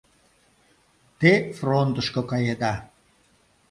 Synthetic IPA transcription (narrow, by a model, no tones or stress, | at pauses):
t̪efront̪əʃkokɑjed̪ɑ